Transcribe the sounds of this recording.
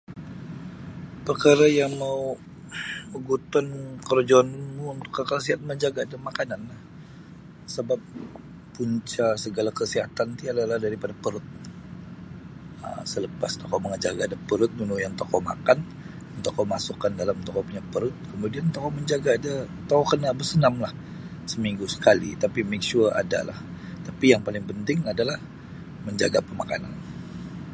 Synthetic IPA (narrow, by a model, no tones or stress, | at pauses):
pəkaɾajaŋmau | uɡut̪ɔnkəɾd͡ʒɔnmuunt̪ʊ̥kːəkəsiat̪məɲd͡ʒaɡaːdamakananlah | səbap̚ː | uɲt͡ʃasəɡalakəsiɦat̪ant̪iadalahdaɾipadapəɾʊt̪̚ | ə̰msələpast̪okɔməŋəd͡ʒaɡadapəɾʊt̪̚nunujant̪okɔma̰kan | nt̪okomasukandalamt̪okɔpuɲapəɾʊt̪̚kəmudiant̪okɔməɲd͡ʒaɡaːda | t̪okɔkənabərsənamlah | səmiŋɡusə̥kalḭt̪apimak̚ʃura̰da̰la̰ht̪apijaŋpalɪŋpənt̪ɪŋadalah | məɲd͡ʒaɡapəmakana̰n